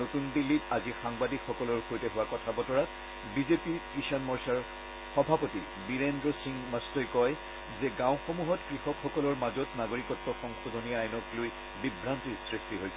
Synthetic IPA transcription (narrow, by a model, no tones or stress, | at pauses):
otundilːitazixaŋbadikxɔkɔlɔɹxʰojtɛɦʊwakɔtʰabɔtɔɹa | bizepikɹiʃɔnmɔɹsaɹ | xɔbʱapoti | biɹendɹɔsiŋmastɔjkɔj | zɛɡãʊxomuɦɔtkɹixɔkxɔkɔlɔɹmazɔtnaɡoɹikɔtːɔxɔŋxɔzoniajɔnɔkloj | bibɹantisɹistiɦojsɛ